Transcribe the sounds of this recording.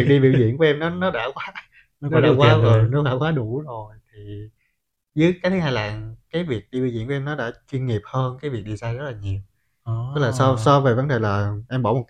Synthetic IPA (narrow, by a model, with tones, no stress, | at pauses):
i˨˩k̚ɗi˧ɓḭ˧˨wzḭ˧˨ənku˧˩˦ʔɛ˧mnɔ˨˦nɔ˨˦ɗa̰ː˧˥kwaː˨˦ | nɔ˨˦kɔ˨˦ɗa̰ː˧˦kwaː˨˦və˨˩nɔ˨˦ɗa̰ː˧˥kwaː˨˦ɗu˧˩zo˨˩jt̪ʰi˨˩ | zɨ˨˦əjkaː˦t̪ʰha˧jlaː˨˩kaː˨˦jvi˨˩ək̚ɗi˧ɓḭ˧˨wḭ˧˥˨nkɛ˧mnɔ˨˦ɗa̰ː˧˥t͡ɕwi˧ənŋi˨˩əp̚həː˧nkaː˨˦jvi˨˩k̚ɗi˧saː˧zə˦˥laː˨˩ɲi˨˩əw | t̪k̚laː˨˩sɔ˧sɔ˧ve˨˩və˨˦nɗe˨˩laː˨˩ʔɛ˧mɓɔ̰˧˩mo˨˩t̚